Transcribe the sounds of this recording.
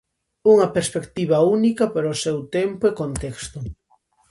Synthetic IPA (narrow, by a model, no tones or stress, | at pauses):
uŋɐpeɾspekt̪iβɐunikɐpaɾosewt̪empoekont̪ɛkst̪ʊ